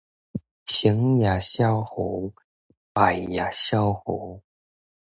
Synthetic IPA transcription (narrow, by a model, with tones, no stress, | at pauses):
t͡ɕʰi˧˥˦ŋja˨˩ɕjɑ˥ʊxo˧˥ʊ | pa˨˩ɪja˨˩ɕjɑ˥ʊxo˧˦ʊ